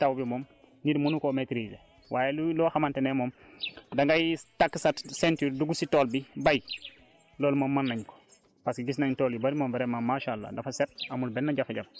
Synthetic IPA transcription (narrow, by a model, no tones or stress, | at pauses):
tawbimom | nidmunukometɾid͡ʒḛ | wʔaːjeluloxamantenemom | daŋɡajtakːsatsentuɾduɡusitoːlbibaj | loːlmoːmːanːaɲko̥ | paskiɡisnantoljibaɾimomveɾemamaʃalːa̰dafaset̚amulbenːaɟafaɟaf